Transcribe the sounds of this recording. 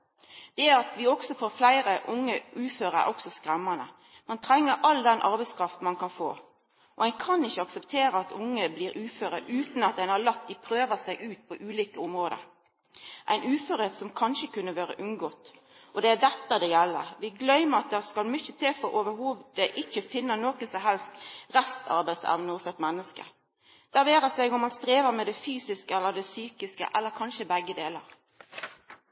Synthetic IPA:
d̪̥ɛæɾɑt̪ʋɪɔɡsɔfoːɾflæɪɾəʔʊŋːəʔʉːføːɾə̰ɾɔksɔskɾɛmːɑnə̰ | mɛnt̪ʰɾɛŋːəɾʔɑld̪ɛnʔɑ̰ɾbɛɪskʰɾɑft̪n̩mɑnkʰɑnfo̰ː | ʔɔ̰æɪkʰɑnɪçːəɑksəpt̪ʰeːɾəɑt̪ʰʊŋːəbliːɾʉːføːɾəʔʉːt̪n̩ɑt̪̚æɪnhɑɭɑk̚t̪d̪ɪpʰɾøːʋəsæɪʔʉːt̪̚pʰɔʔʉːliːkəʊmɾoːd̪ə̰ɾ | ʔæ̰ɪnʉːføːɾheːt̪sɔmkʰɑnʃəkʉnːəʋøːɾə̰ʔʉnɡoːt̪ | ʔɔd̪ɛæd̪ɛt̪ːəd̪ɛjɛlːə̰ɾʋɪɡlœʏməɾɑt̪̚d̪ɛʁskɑlmʏçət̪ʰeːfɔɾʔoːʋəhuːʋd̪̥æɪʔɪçːəfɪnːənoːkəsɔmɦɛlst̪ʁɛst̪ʰɑ̰ɾbæɪsɛ̰ʋnəɔsɛt̪mɛnːəskə̰ | d̪̥æʋeːɾəsɛɪɡʊmːɑnst̪ɾeːʋəɾmɛd̪ɛfyːsɪskəɛlːəd̪ɛsyːkɪskə̰ʔɛlːəɾkʰɑnʃəbæɡːəd̪eːləɾ

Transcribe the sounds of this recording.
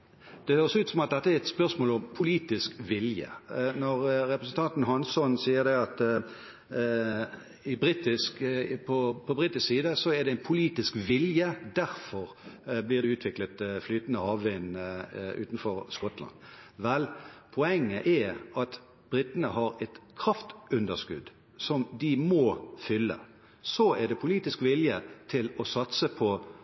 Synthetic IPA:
d̪̥ɛhøːʁɾsʉːt̪sɔmɑt̪̚d̪ɛt̪ːəæʁɛt̪spœʁsmoːlɔmpʰʊliːt̪ɪskʋɪljə̰nɔʁɾɛpɾəsn̩t̪ʰɑnt̪n̩ɦɑnsɔnsiːəd̪ɛɑt̪ | ɪbɾiːt̪ɪskpʰɔpʰɔbʁɪt̪ɪsksiːd̪əsɔɛʁd̪ɛɪnpʰʊliːt̪ɪskʋɪljəd̪æʁfɔʁblɪːʁd̪ɛʉːt̪ʰʋɪklət̪flyːt̪ən̩əhɑːʋʋɪnʔʉ̰ːt̪n̩fɔʁskɔt̪lɑ̰nʋɛlpʰʊɛŋːəʔɛɾɑt̪ | b̥ʁɪt̪ənəɦɑɾɛt̪kʰʁɑft̪ʉnd̪əskʉ̰d̪ | sɔmd̪ɪmɔfʏlːə̰ | sɔɛʁd̪ɛpʰʊliːt̪ɪskʋɪljət̪ʰɪlɔsɑt̪səpʰɔ

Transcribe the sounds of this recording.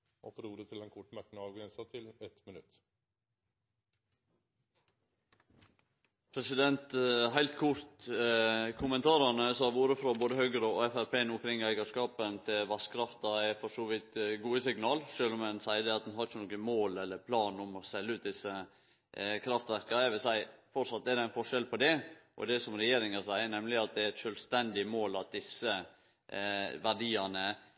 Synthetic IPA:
ʔɔ̰fɔɾuːɾət̪ʰɪlɛnkʰʊʈmæɾknəɑːʋɡɾɛnsət̪ʰɪlɛt̪mɪnʉt̪ | pʰɾɛsɪd̪ɛnt̪ɦæɪlt̪̚kʰʊɾt̪ | kʰʊmənt̪ʰɑːɾɑɳəsɔɑʋuːɾəfɾoboːd̪əhœɡəɾɔɔɛfæɾpʰeːənʊmkʰɾɪŋːæɪɡəʂkɑːpənt̪ʰɪlʋɑskʰɾɑft̪ɑæɪfɔʂoːʋɪt̪ɡuːəsɪɡnɑːlʂøːlɔmɛnsæɪəd̪ɛɑt̪̚d̪ɛnhɑɾɪçənɔːkənmoːlɛlːəɾpʰlɑːnɔmɔsɛlːəʉːt̪̚d̪ɪsə | kʰɾɑft̪ʋæɾkɑæɪʋɪlsæɪfɔɾsɑt̪ːɛd̪ɛɪnfɔʂɛlpʰɔd̪ɛʔɔ̰d̪ɛsɔmɾɛjeːɾɪŋɑsæɪəɳɛmlɪɑt̪̚d̪ɛɾɛt̪ʃœːlst̪ɛnd̪ɪmoːlɑt̪̚d̪ɪsːə | ʋæɖiːɑnə

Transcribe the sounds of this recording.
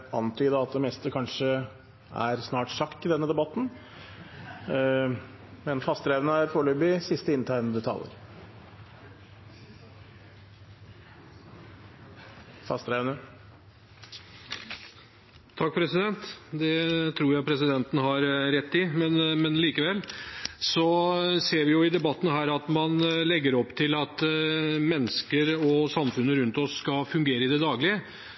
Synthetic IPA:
ɑnt̪ʰyːd̪əɑt̪̚d̪ɛmɛst̪əkʰɑnʂə | æ̰ɾsnɑːʈʂɑkt̪ɪd̪ɛnːəd̪ɛbɑt̪ːn̩ | mɛnfɑst̪ɾɛʋnəæɾfoːɭøːbɪsɪst̪əɪnt̪ʰæɾənəd̪ʉt̪ʰɑ̰ːlə̰ɾ | fɑst̪ɾæʋnə | t̪ʰɑkːfɔɾɛsɪd̪ɛnt̪d̪ɛt̪ʰɾuːɾjæɪpʰɾɛsɪd̪ɛnt̪n̩ɦɑɾɾɛt̪ːɪmɛnmɛnliːkəʋɛlːsɔseːɾʋɪjʊɪd̪ɛbɑt̪ːn̩ɦæːɾɑt̪mɑnlɛɡːəɾɔpːt̪ʰɪlɑt̪mɛnːəskəɾɔsɑmfʉnːəɾʉnt̪ɔsːkɑfʉŋɡeːɾəɪd̪ɛd̪ɑːɡlɪə

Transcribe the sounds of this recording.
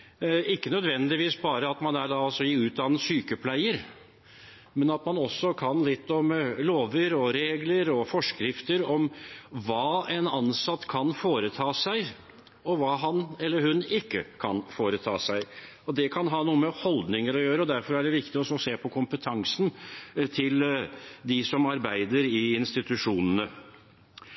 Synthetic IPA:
ɪkːənœd̪ʋɛnd̪ɪʋiːsbɑːɾəɑt̪mɑnæɖ̪ɑɑlsɔɪʉːt̪̚d̪ɑːnːəsyːkəpʰlæɪəɾ | mɛnɑt̪mɑnɔsːɔkʰɑnlɪt̪ːɔmloːʋəɾɔɾeːɡləɾɔfɔʂkɾɪft̪əɾɔmʋɑːɛnɑnsɑt̪ːkʰɑnfoːɾət̪ʰɑːsæɪ | ɔʋɑːɦɑnɛlːəhʉnɪkːəkʰɑ̰nfoːɾət̪ʰɑ̰ːsæɪ | ɔd̪ɛkʰɑnɦɑːnuːəmɛhɔld̪nɪŋəɾɔjøːɾəɔd̪æɾfɔɾæɖɛʋɪkt̪ɪɔsɔseːpʰɔkʰʊmpət̪ʰɑŋsn̩t̪ʰɪld̪ɪsɔmɑɾbæɪd̪əɾɪɪnst̪ɪt̪ʉʂuːnənə

